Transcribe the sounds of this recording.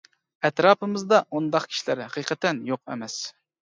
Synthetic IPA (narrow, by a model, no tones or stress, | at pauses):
ɛt̪ɾɑːpɨmɨzd̪ɑund̪ɑqkʲʰi̥ʃilæɾhɛqʰijqʰɛt̪ɛnjoqɛ̰mɛs